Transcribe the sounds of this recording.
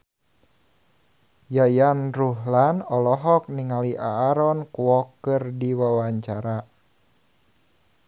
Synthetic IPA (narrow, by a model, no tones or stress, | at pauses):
jajanruɦlanɔlɔɦɔk̚niŋaliʔaːɾɔnkuwɔkɨrdiwawaɲt͡ʃaɾa